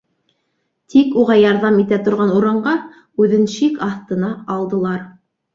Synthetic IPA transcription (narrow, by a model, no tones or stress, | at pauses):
t̪ʰikuʁɑjɑɾðɑmit̪æt̪ŏɾʁɑnuɾɑɴɢɑ | ʉðɘnʃikɑθt̪ɤ̆nɑɑlˠd̪ɤ̆lˠɑɾ